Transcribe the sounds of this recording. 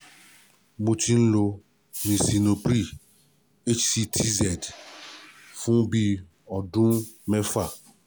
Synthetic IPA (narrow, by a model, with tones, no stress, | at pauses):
mo˨tĩ˦n̩˦lo˨ | nĩ˨si˨no˨pɾi˦˨ | e˦t͡ʃsi˦tʰi˦zɛ˨t | fũ˦bi˦ | ɔ˨dũ˦mɛ˦fa˨